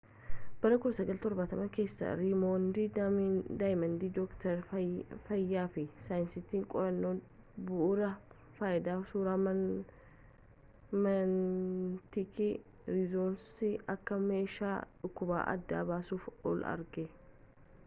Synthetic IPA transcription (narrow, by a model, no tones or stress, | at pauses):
b̥ɐɾɐkʊlɐsɐɡɐlt̪ɔɾbɐt̪ɐmɐke̞ːsːɐ̰ɾimoːnd̪iːd̪ajmɐnd̪iːd̪ɔkt̪ɐɾfɐjːaːfɪsaːjɪnsɪt̪ːiːŋkʼɔɾɐnːoː | bʊʔʊɾɐ | faːjɪd̪aːsuːɾaːm | mɐnt̪ɪkɪ | ɾɪzoːnsɪʔɐkːɐme̞ːʃa̰ːᶑʊkːʊba̰ːʔɐ̰d̪ːa̰ːbaːsuːfɔ̰lɐ̰ɾɡɪ